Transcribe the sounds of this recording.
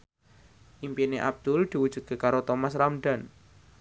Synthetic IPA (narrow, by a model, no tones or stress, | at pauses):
ʔimpineʔab̚d̪̥ʊld̪̥i̤wud̥d͡ʒ̥ut̪̚ɡə̤kaɾot̪omasramɖan